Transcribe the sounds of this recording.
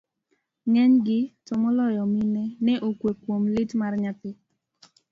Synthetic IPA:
ŋɛɲɡɪtɔmɔlɔjɔminɛnɛʔokwekwomlɪtmarɲat̪ɪ

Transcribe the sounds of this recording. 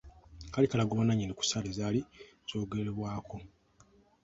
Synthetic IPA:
kalikalaɡuβanaɲineku̥salezaːli | z̥o̞ːɡeleβwaːkʰo̞

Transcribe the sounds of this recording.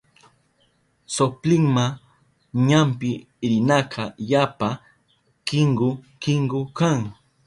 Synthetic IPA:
soplɪŋma | ɲampɪ | ɾɪnɑqʰɑjapa | kɪŋɡʊkɪŋɡʊkaŋ

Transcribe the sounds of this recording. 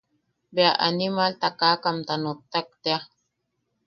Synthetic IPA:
beaʔa̰nimalt̪akakamt̪anot̪ːak̚t̪ea

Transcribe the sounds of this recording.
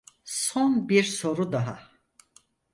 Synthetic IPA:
sonbiɾso̞ɾud̪aɦa

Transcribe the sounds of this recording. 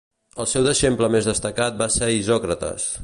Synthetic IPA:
əlˠsɛwd̪əʃempləmezðəst̪əkat̪̚basɛizɔkɾət̪ə̰s

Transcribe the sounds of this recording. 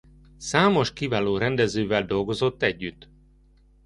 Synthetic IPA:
saːmo̞ʃkivaːloːɾɛnd̪ɛzøːvɛld̪o̞lɡo̞zo̞t̪ːɛɟːyt̪ː

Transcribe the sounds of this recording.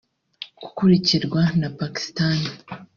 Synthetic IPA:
ɡ̥u̥kuɾiciɾɡwanapaki̥stani

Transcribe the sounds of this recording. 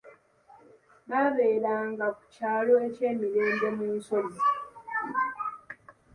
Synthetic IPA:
naːβe̞ːɾaːŋɡaku̥caːlo̞ece̞ːmiɾeːmbe̞muːnso̞li

